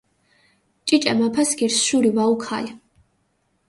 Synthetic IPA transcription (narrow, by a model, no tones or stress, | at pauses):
t͡ʃʼit͡ʃʼɛmapʰasɡiɾsʃuɾivaukʰa̰li